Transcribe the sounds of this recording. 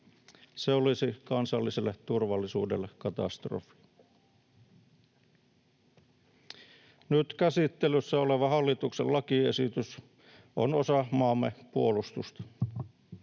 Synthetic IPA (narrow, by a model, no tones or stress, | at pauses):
seolisikɑnsɑlːiselːett̪urʋɑlːisṵːdelːekkɑt̪ɑ̰st̪ro̰fˑi̥ | nyt̪kæsit̪ːelysːæoleʋɑhɑlːit̪uksellɑkiesit̪ys | ʔo̰nosɑmɑːmːepuolust̪ust̪ɑ̥